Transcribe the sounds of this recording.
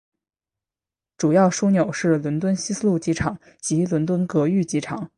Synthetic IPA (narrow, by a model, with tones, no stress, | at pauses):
ʈ͡ʂu˨˩jɑ˥˩ʊʂu˥njo˨˩ʊʂɻ̩˥˩lwə˧˥nt̪̬wə˥nɕi˥s̩˥lu˥˩t͡ɕi˧˥ʈ͡ʂʰɑ˨˩ŋ | t͡ɕi˧˥lwə˧˥nt̪wə˥nkɤ˧˥y˥˩t͡ɕi˧˥ʈ͡ʂʰɑ˨˩˦ŋ